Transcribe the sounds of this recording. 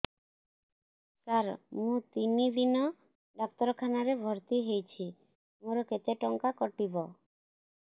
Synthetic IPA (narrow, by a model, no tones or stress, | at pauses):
kaɾmũt̪inid̪inɔ | ɖɔk̚t̪ɔɾɔkʰanaɾebʱɔɾt̪iɦejt͡ʃʰi | moɾɔket̪eʈɔŋkakɔʈibɔ